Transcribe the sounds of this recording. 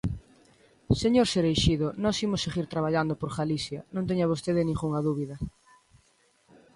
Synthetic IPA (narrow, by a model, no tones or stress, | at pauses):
seɲoɾseɾejʃiðʊnɔsimoseɣiɾt̪ɾaβ̞aʎand̪opoɾɣalisjɐnõnt̪eɲɐβost̪eðɪnĩŋɡuŋaðuβiðɐ